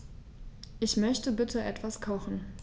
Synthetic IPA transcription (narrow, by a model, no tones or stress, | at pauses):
ʔɪçmœçtəbɪtʰəʔɛtv̥askʰɔxn̩